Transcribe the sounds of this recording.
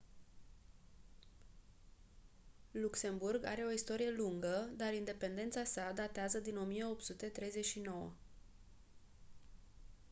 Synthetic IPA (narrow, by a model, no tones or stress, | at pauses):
lukse̞mburɡa̰ɾe̞o̞ist̪o̞ɾije̞luŋɡəd̪aɾind̪e̞pe̞nd̪e̞nt̪sasad̪at̪eazəd̪ino̞mije̞o̞pt̪sut̪e̞t̪ɾe̞jze̞t͡ʃʲʃino̞wə̰